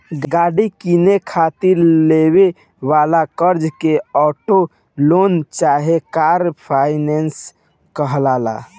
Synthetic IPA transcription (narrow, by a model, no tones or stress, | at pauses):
ɡɡaɽikinekʰat̪iɾleβe | ʋalakəɾd͡ʒkeɔʈo | lont͡ʃaɦekaɾpʰaɪnens | kəɦlala̰